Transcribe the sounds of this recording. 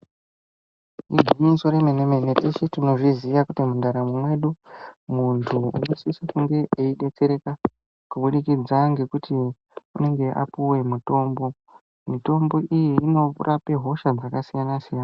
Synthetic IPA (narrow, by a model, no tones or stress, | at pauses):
iɡʱiɲinsoɾemenemeneteʃetino̞ʐizijakutimundaɾamumwe̞ɗumuntʰuṵno̞siisakuŋɡe̞ʔeiɗe̞t͡se̞ɾe̞ka | kuɓuɗikid͡zaŋɡe̞kutʰi | une̞ŋɡe̞ʔa̰puwe̞muto̞ːmbo̞ | mito̞mbo̞ʔijiːno̞rʔapeɦo̞ʃad͡zakasijanasijana